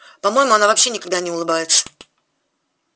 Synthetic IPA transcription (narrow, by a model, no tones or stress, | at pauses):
pɐmo̞jɪmʊɐnavɐpɕːe̞nʲɪkɐɡ̚d̪anʲɪʊlˠɨbajɪt̪sə̥